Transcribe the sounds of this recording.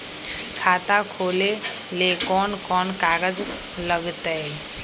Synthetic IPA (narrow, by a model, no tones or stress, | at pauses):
kʰaːt̪akʰoːle | lekɔːnkɔːnkaːɡəd͡ʒ | ləɡt̪ə